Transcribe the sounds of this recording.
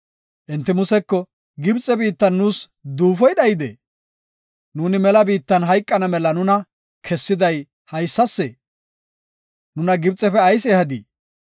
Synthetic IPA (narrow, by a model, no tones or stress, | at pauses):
ʔɪnt̪ːɪmʊsɛkːɔ | ɡɪbt͡sʼːɛbiːt̪ːɐnːuːs | d̪uːfɔjɗɐjɪd̪ḛː | nuːnɪmɛlɐbiːt̪ːɐnɦɐjkʼːɐnɐmɛlɐnʊnɐ | kʰɛsːɪd̪ɐj | hɐjsːɐsːɛ | nʊnɐɡɪbt͡sʼːɛfɛɐjsɛhɐd̪ḭː